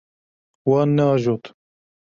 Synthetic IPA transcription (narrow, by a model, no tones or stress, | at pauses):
wɑːnːɛɑːʒoːt̪